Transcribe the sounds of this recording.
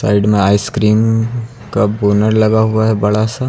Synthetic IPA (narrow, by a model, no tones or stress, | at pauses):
sa̰ːɪɖmẽaːɪskɾiːm | kaboːnəɾlɐɡaɦuaɦɛbɐɽasa